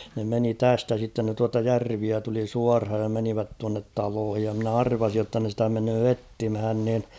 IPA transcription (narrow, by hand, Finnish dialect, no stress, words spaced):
ne meni tæstæ sitːen ne tuɑtɑ jærʋiæ tuli suɑrhɑj jɑ meniʋæt tuɑnːet tɑloːhij jɑ mnæ ɑrʋɑsij jotːɑ ne stæ menøː etːimhæn nin